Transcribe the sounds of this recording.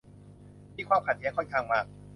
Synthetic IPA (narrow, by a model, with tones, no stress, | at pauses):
mʰiː˥˩kwaː˧˩mpʰaː˨˩t̪̚ʰi˧˦˥kɔ˥˩nkʰaː˧ŋmaː˧˥˩k̚